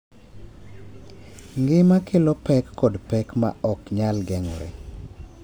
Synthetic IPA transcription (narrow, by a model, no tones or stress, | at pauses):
ŋɡɪmakʰɪlɔpɛkːɔdpɛkma̰ɔkɲalɡɛŋɾḛ